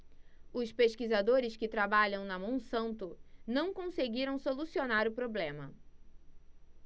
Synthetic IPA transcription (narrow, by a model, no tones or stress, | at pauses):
ʊspeʃkizad̪oɾɪskɪt̪ɾabaʎɐ̃w̃nɐmõw̃sɐ̃nt̪ʊnɐ̃w̃kõseɡiɾɐ̃w̃solusionaɾʊpɾoblẽmɐ